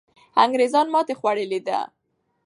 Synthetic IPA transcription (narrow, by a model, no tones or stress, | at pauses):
aŋɡɾezɑnmɑt̪exwaɽəlid̪a̰